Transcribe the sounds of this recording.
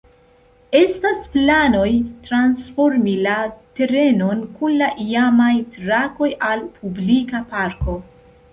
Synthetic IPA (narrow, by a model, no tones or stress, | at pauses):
e̞stasplano̞jtɾansfo̞ɾmilate̞ɾe̞no̞nkunlaʔiamajtɾako̞jalpʰublikapaɾko̞